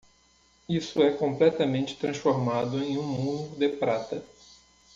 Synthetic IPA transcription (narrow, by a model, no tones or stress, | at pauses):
isʊɛkõmplɛt̪ɐmẽnt͡ʃɪ̥t̪ɾɐ̃sfoɾmad̪ʊẽj̃ũmuũɾʊd̪epɾat̪ɐ